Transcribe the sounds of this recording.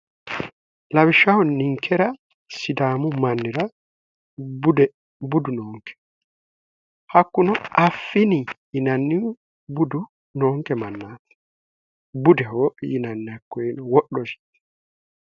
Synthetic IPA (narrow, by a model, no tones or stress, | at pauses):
lawiʃawɔniŋkʰɛɾa | sid̪aːmumanːiɾa | bdɛ | budunɔːŋkɛ̥ | hakːunɔʔafːinijːnanːi | budu | nɔŋkɛmanːaːt̪ɛ̥ | budɛɦɔjinanːakːɔɛnɔwɔɗɔsi̥t̪ɛ̥